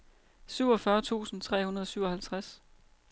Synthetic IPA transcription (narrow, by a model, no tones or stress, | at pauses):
syʊɒfɶɐt͡sʰṵːsn̩t͡sʰʁɛ̰ːhunɐð̞ˠɒsyʊɒhælt͡sʰʁas